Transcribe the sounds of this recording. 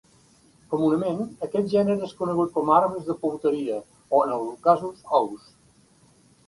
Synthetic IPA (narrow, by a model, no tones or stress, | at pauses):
kumunəmẽnəkɛt̪̚ʒɛnəɾeskunəɣ̞ut̪̚kɔmaɾβəzðəpuwt̪əɾiə | oənəlkazusɔws